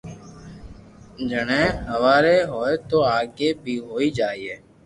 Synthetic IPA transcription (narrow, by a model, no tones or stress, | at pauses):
d͡ʒənẽːɦəʋaːɾeːɦoːeːt̪oːaːɡeːbʱiːɦoːiːd͡ʒaːiːeː